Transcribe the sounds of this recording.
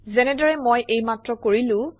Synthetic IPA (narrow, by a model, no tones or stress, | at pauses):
zɛnɛdɔɹɛmojʔejmatɹɔkoɹilʊ̃